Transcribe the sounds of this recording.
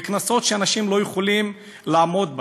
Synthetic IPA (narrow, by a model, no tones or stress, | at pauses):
knaso̞t̪ʃeanaʃimlo̞juχolim | laːmo̞d̪b